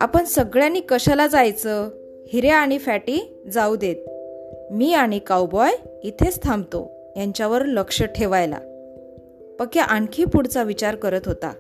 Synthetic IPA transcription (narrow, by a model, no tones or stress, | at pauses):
a̰pəɳsəɡɭjanːiːkəɕalad͡zajt͡sə | hiɾeaɽ̃ifæʈiː | d͡zaud̪et̪̚miːaɽ̃ikawbɔjit̪ʰet͡st̪ʰãmbt̪o̰ | jaɲt͡ɕjaʋəɾləkʂəʈʰeʋajla̰ | pəkjaʔaɳkʰiːpuɽt͡saʋit͡ɕaɾkəɾət̪ɦot̪a̰